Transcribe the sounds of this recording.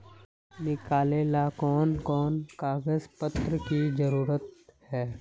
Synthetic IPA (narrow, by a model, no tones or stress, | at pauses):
nɪkaːleːlakɔːnkɔːnkaːɡəzpət̪ɾəkizəɾuːɾət̪̚hɛː